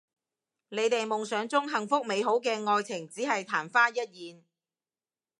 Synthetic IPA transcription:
ne˨˧jt̪e˨jmʊ˨ŋsœː˨˧ŋt͡sʊ˥ŋɦɐ˨ŋfʊ˥k̚me˨˧jɦo˨˥wkɛː˧ŋɔː˧jt͡sʰɪ˨˩ŋt͡siː˨˥ɦɐ˨jt̪ʰaː˨˩nfaː˥jɐ˥t̚jiː˨n

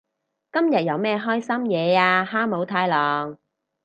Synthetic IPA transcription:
kɐ˥mjɐ˨t̚jɐ˨˧wmɛː˥ɦɔː˥jsɐ˥mjɛː˨˧aː˧ɦaː˥mo˨˥wt̪ʰaː˧jlɔː˨˩ŋ

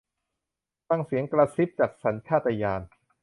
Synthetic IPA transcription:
t̪a˧˩ŋsi˩˦əŋkɾaː˧si˦˥p̚t͡ɕaː˨˩k̚sa˩˦nt͡ɕʰaː˥˩t̪ːa˧jaː˧n

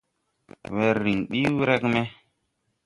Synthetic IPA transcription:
we˨ɾːi˨ŋɗi˦wɾe˦kme˦

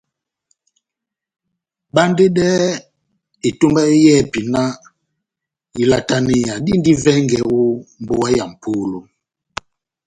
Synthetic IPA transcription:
ba˦nde˦dɛ˦ | i˨tu˦mba˦i˦jɛ˦˨pi˨na˦ | i˨la˨ta˨ni˨ja˨di˦ndi˦vɛ˦ŋɡɛ˨o˦m̩˨bo˦wa˦ja˨m̩˨pʰu˦lo˨

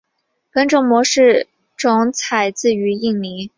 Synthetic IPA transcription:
kə˥nʈ͡ʂʊ˥ŋmwɔ˧˥ʂɻ̩˥˩ | ʈ͡ʂʊ˧˥ŋt͡sʰa˨˩ɪt͡sɹ̩˥˩y˧˥i˥˩ŋni˧˥

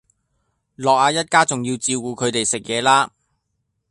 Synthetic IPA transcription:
lɔː˨k̚aː˧jɐ˥t̚kaː˥t͡sʊ˨ŋjiː˧wt͡siː˧wkuː˨˧kʰɵ˨˧ɥt̪e˨jsɪ˨k̚jɛː˨˧laː˥

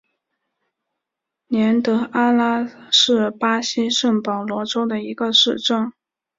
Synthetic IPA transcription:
njɛ˧˥nt̪ɤ˧˥ʔa˥la˥ʂɻ̩˥˩pa˥ɕi˥ʂə˥˩ŋpɑ˨˩ʊlwɔ˧˥ʈ͡ʂo˥ʊd̪ə˨i˧˥ɡə˧ʂɻ̩˥˧ʈ͡ʂɤ˥˩ŋ

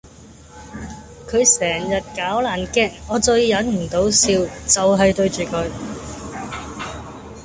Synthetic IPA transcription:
kʰɵ˨˧ɥsɛː˨˩ŋjɐ˨t̚kaː˨˥wlaː˨˩nkɛː˥˩k̚ːɔː˨˧t͡sɵ˧ɥjɐ˨˥nm̩˨˩t̪o˨˥wsiː˧wt͡sɐ˨wɦɐ˨jt̪ɵ˧ɥt͡ʃyː˨kʰɵ˨˧ɥ

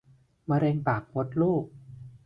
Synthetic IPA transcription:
maː˧ɾe˧ŋpaː˨˩k̚wo˧˦˥t̪̚luː˥˩k̚

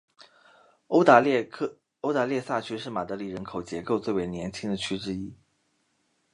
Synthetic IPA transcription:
o˥ʊt̪a˧˥ljɛ˥˧sa˥˩t͡ɕʰy˥ʂɻ̩˥˩ma˨˩t̪ɤ˧˥li˨˩ɻə˧˥nkʰo˨˩ʊt͡ɕjɛ˧˥ko˥˧ʊt͡swe˥˩ɪwe˧˥ɪnjɛ˧˥nt͡ɕʰi˥ŋd̪ə˨t͡ɕʰy˥ʈ͡ʂɻ̩˥i˥

